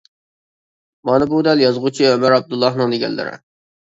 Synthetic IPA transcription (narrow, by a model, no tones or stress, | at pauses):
mɑnɨbud̪æljɑzʁut͡ʃʰiømæɾɑb̚d̪ulˠːɑɦnɨŋd̪eɡʲɛ̰nlːɪ̰ɾɪ̰